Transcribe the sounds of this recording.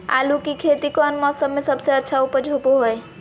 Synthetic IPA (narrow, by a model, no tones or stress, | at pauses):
a̰lukikʰet̪ikɔnmɔsəbmesəbseətːʃʰaupəd͡ʒʱopoɦoj